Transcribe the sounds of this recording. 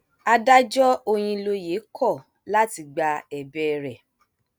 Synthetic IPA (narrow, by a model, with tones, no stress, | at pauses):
a˧da˦d͡ʒɔ˦o˧j̃ĩ˧lo˧je˨˦kʰɔ˦˨ | la˦ti˧ɡ͡ba˧ɛ˨bɛ˦ɾɛ˨